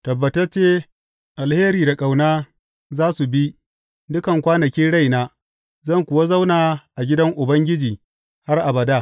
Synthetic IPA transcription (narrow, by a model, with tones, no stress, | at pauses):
tɐ˨bːɐ˨tɐ˦rt͡ʃeː˦ | ʔa˨lheː˦ɾiː˨da˨kʼa˨wnaː˦ | zaː˦su˨bi˦ | dʊ˦kɐ˨ŋkʷaː˦nɐ˨kʲiː˦ɽa˦jnaː˦ | zɐ˦˨ŋkʷʊ˨wa˦za˦wnaː˨ʔa˨ɡʲɪ˦dɐ˦ŋʔʊ˨bɐ˦ŋɡʲɪ˦d͡ʒiː˨ | ha˦rʔa˨bɐ˨daː˦